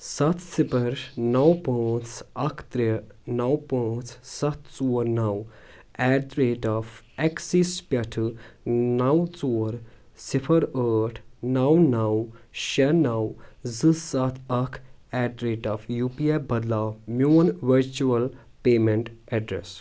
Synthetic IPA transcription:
sɐt̪ʰsipʰəɾnɐwpə̃ːt͡sʰɐkʰt̪ɾinɐwpə̃ːt͡sʰsɐt̪ʰt͡suːɾnɐw | ɛːt̪ɾeːʈaːfʰ | ɛksispʲɐʈʰɨnɐwt͡soːɾ | sipʰɐɾəːʈʰnɐwnɐwʃɐnɐwzɨsɐt̪ʰɐkʰɛːɖd̪ɾeːʈaːfjuːpiebɐd̪laːmjuːnʋɐɾt͡ʃuɐl | peːmeɳʈɛɖɾḛs

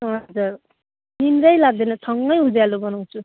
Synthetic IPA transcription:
ɦʌd͡zur | ninɾʌjlaɡ̚d̪enʌsʌŋɡʌjɦud͡zjalubʌnaw̃t͡sʰu

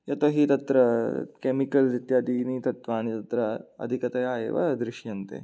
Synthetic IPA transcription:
jɐt̪ɐɦit̪ɐt̪ɾɐkemikɐld̪it̪jaːd̪iːnit̪ɐt̪ʋaːnit̪ɐt̪ɾɐɐ̰d̪ʱikɐt̪ɐjaːjḛːʋɐ̰d̪ɾɪʃjɐnt̪ḛː

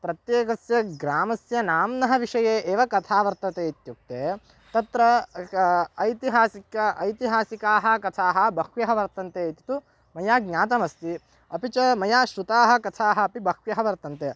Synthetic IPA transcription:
pɾɐt̪jeːkɐsjɐɡɾaːmɐsjɐnaːmnɐɦɐʋiʂɐjeːʔeːʋɐkɐt̪ʰaːʋɐɾt̪ɐt̪eːit̪juk̚t̪eː | t̪ɐt̪ɾɐː | jt̪iɦaːsikɐɐjt̪iɦaːsikaːɦɐ̆kɐt̪ʰaːɦɐbɐkʋjɐɦɐʋɐɾt̪ɐnt̪eːit̪i̥t̪u | mɐjaːɡ̚ɲʲaːt̪ɐmɐst̪i | ɐpit͡ʃɐmɐjaːʃɾut̪aːɦɐ̆kɐt̪ʰaːɦɐːpibʱɐkʋjɐɦɐʋɐɾt̪ɐnt̪e

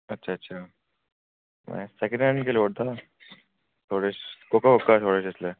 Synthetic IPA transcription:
ɐtːɕʰaːtːɕʰa | mɛ̰̃sekə̃ɳə̃ɳɖkeloːɽt̪ʰa | t̪ʰoːɽeskokakokːat̪ʰoːɽeseɪsle

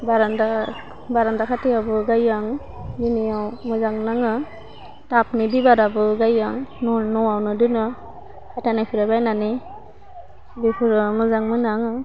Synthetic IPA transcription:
baɾanda | baɾandakʰatijabɯɡajaŋ | binijawmɯzaŋnaŋɯ | tap̚nibibaɾabɯɡajaŋnɔnɔawnɯdɯnɯ | kʰatanajpʰiɾabajnani | bipʰɯɾɯmɯzaŋmɯnaŋɯ

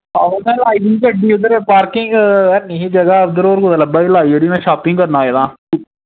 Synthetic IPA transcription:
aːʊnãːlaːidiːkəɖiːʊd̪əɾpaːɾkɪŋɡəniɦiːd͡ʒəɡad̪əɾoːɾkʊd̪aləbaːilaːiəɽiːnãːʃaːpɪ̃ŋɡkəɾnaːed̪ãː

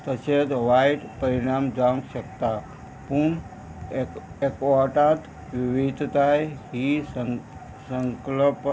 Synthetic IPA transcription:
t̪ət͡ʃed̪ʋajʈpəɾiɽ̃amd͡ʒaŋɡʃəkt̪a | puɳ | ekaʈat̪ | ʋiʋid̪ʱt̪ajɦi | səŋkləp

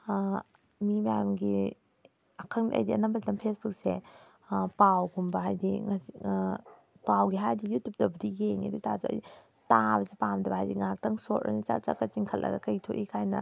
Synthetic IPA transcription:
mimajamɡi | ɐkʰɐŋʔɐ̰jdiɐ̰nɐmbɐzlɐmpʰesbuk̚se | pawɡumbɐɦajdiŋɐsi | pawɡiɦajdijutʰup̚dɐbɐdijeŋḭdutazuɐ̰jdi | tabɐzipamdɐbɐɦajdiŋak̚tɐŋsotʔɐ̰nit͡ʃa̰t͡ʃa̰kɐt͡ʃiŋkʰɐlʔɐ̰ɡɐ̰kɐjtʰoʔikʰajnɐ̰

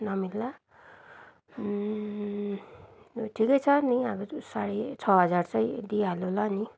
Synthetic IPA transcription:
nʌmilːa | ʈʰikʌjt͡sʰʌniabʌsaɽet͡sʰʌɦʌd͡zart͡sʌjd̪ialolʌni

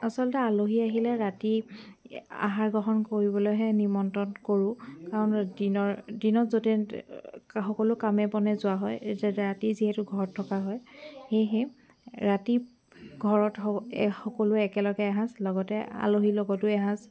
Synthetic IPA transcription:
asɔltɛaloɦiaɦilɛɹati | a̰ɦaɹɡɔɦɔnkoɹibɔlojɦɛnimɔntɔnkoɹʊ̃kaɹɔndinɔɹdinɔzotɛ | xɔkɔlʊkamɛbɔnɛzʊwaɦɔjɹatiziɦɛtʊɡʱɔɹɔtʰːɔkaɦɔjxejɦɛ | ɹati | ɡʱɔɹɔtxɔkɔlʊɛkɛlɔɡɛaɦãslɔɡɔtɛa̰loɦilɔɡɔtʊɛɦãs

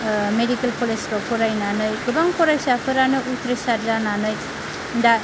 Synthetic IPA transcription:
medikelpʰoleskɔpʰɔɾajnanɯjɡɯbaŋpʰɔɾajsapʰɯɾanɯʔut̪ɾesaɾzananɯj | nda

